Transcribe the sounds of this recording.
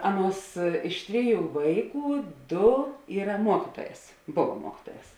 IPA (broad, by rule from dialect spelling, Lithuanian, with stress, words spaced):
ˈɑːˌnuɔs ˈɪʃ tʲˈrʲɪˌjuː ˈʋɐɪˌkuː ˈdoː ˈiːrɐ ˈmuɔkʲiːtuɔˌjɛːs ˈboːʋɐ ˈmuɔkʲiːtuɔˌjɛːs